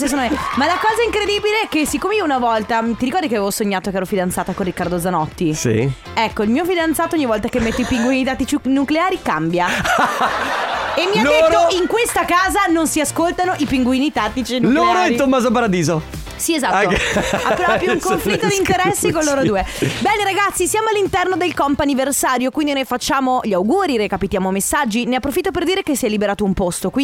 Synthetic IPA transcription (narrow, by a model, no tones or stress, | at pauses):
ses̬onoemalakɔːzaiŋkɾed̪iːbileɛkesikːomeiːounavɔlt̪amt̪iɾikɔrd̪ikeavevosoɲːaːt̪okeɛːɾofid̪ant̪saːt̪akorikːaɾrd̪od̪zanɔt̪ːisḭ | ɛkːoilmiːofid̪ant̪saːt̪ooɲːivɔlt̪akemːet̪ːoipiŋɡwiːnit̪at̪ːit͡ʃinukleaːɾikambja | emːialoetɾːoiŋkwest̪akaːzanonsiaskolt̪anoʔipiŋɡwiːnit̪at̪ːit͡ʃinloːɾoɛt̪omːaːzop̬aɾad̪iːzo | siezat̪ːoa̰pːɾapːjuŋkomflt̪ːod̪iineɾɛsːikolːoːɾod̪uːebɛːneɾaɡat̪sːisjaːmoalːint̪ɛrnod̪elkɔmpaniversaːɾjokwind̪inojfat͡ʃːaːmoʎiawɡuːɾiɾekapit̪jaːmomesːad͡ʒːineapːɾofit̪ːoperd̪iːɾekesːiɛjlibeɾaːt̪oumpost̪okwi